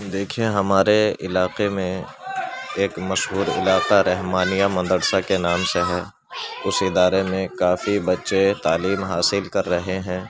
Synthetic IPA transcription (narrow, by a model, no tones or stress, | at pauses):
d̪eːkʰieɦɐmaːɾeɪlaːqemẽ | eːkmɐʃɦuːɾɪ̰laːqaɾɛɦmaːnijamɐ̃nd̪əɽsakenaːmseɦɛ | ʊsɪd̪aːɾemẽkaːfibɐtːʃet̪aːliːmɦaːsɪlkɐɾːɐɦeɦɛ̃ː